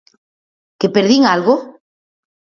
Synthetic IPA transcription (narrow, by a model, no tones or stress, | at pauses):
kepeɾðiŋalɣo